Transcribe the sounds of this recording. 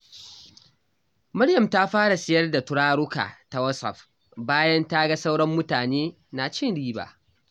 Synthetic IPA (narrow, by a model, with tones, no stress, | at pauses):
mɐ˦ɽjɐ˨mta˦ɸaː˦ɽa˨sɪ˨jɐ˦rda˨tʊ˦ɽaː˦ɽʊ˦ka̰ː˨ta˨wɐ˦sɐ̰˨ɸ | baː˦jɐ˦nta˦ɡa˦sa˦wɽɐ˦mːʊ˦taː˨neː˦ | na˨t͡ʃɪ˦nɽiː˦ba̰ː˨